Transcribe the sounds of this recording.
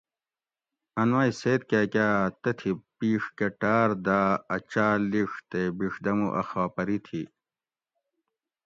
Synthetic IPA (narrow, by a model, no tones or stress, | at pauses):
ɐnwaːjseːt̪̚kaːkʲaːt̪ɐt̪ʰipiːʂkeʈaːɾd̪aːɐt͡ɕaːliʂt̪ebiʂd̪ɐmuʔɐ̰xaːpɐɾit̪ʰi